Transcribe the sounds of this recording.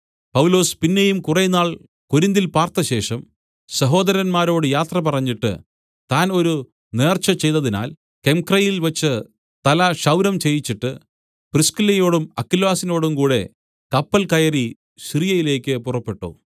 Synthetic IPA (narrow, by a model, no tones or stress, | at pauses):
pɐwlo̞ːspinːe̞jumkurɐjnːaːɭ | ko̞ɾind̪ilpaːrt̪ɐɕe̞ːʂɐm | sɐɦo̞ːd̪ɐɾɐnmaːɾo̞ːɽɨjaːt̪rɐpɐrɐɲːiʈːɨ̰ | t̪aːno̞ɾu | ne̞ːrt͡ɕːɐt͡ɕe̞jt̪ɐðina̰ːl | ke̞mkrɐjilʋɐt͡ɕːɨ | t̪ɐlɐʂɐwɾɐmt͡ɕe̞jit͡ɕːiʈːɨ | priskilɐjo̞ːɽumɐkːilwaːsino̞ːɽumkuːɽe̞̰ | kɐpːɐlkɐjɐri | ɕrijɐjile̞ːkʲːɨpurɐpːe̞ʈːṵ